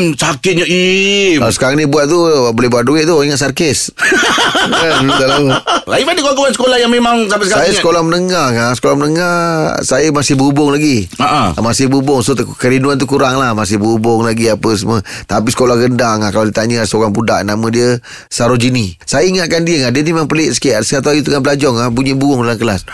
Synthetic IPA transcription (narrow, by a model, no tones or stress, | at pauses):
sakɪt̪̚ɲəikalasə̥kaɾaŋnĩbuwat̪̚t̪ubolɛɦbuaʔ̪̚duɪʔ̚t̪uiŋaʔsarkes | əut̪alaaimadəkuakəwansəkolahjaŋmemaŋsampɛsəkaajəskolahmənəŋaasə̥kolaɦmənəŋasajəmasɪhbubʊŋlaɡiaʔamasɪhbubʊŋsokəɾinuant̪̬ukuɾaŋlahmas̬ɪhbəubʊŋlaɡiapəs̬əmət̪ap̬isə̥kolahɡəndaŋahkaladit̪aɲəsoɣaŋbuda̰ʔnamə̃diə | saɾod͡ʒinisajəiŋaʔkandiəŋadənimemaŋpəlɪʔsə̥keʔasəkat̪uajut̪əŋabəlad͡ʒɔŋahbuɲibuɡʊŋdalankəlas